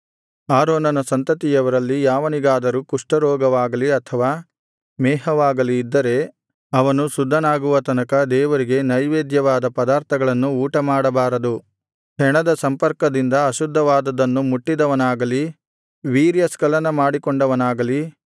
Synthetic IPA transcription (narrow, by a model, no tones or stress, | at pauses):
aːɾoːnɐnɐsɐnt̪ɐt̪ijɐʋɐɾɐlːijaːʋɐniɡaːd̪ɐɾukuʂʈɐɾɔːɡɐʋaːɡɐliɐt̪ʰɐʋaː | mɛːɦɐʋaːɡɐliːd̪ːɐɾe̞ | ɐʋɐnusud̪ʱːɐnaːɡuʋɐt̪ɐnɐkɐd̪ɛːʋɐɾiɡe̞nɐjʋeːd̪jɐʋaːd̪ɐpɐd̪aːɾt̪ʰɐɡɐɭɐnːuuːʈɐmaːɽɐbaːɾɐd̪u | ɦɛɳɐd̪ɐsɐmpɐɾkɐd̪ind̪ɐɐʃud̪ʱːɐʋaːd̪ɐd̪ɐnːumuʈːid̪ɐʋɐnaːɡɐli | ʋiːɾjɐskɐlɐnɐmaːɽikɔɳɖɐʋɐnaːɡɐli